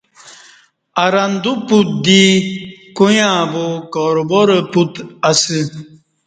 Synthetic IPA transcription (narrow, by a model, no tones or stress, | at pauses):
ɐɾɐnd̪uput̪̚d̪ikojãːbokɔɾoboɾeput̪ɐsi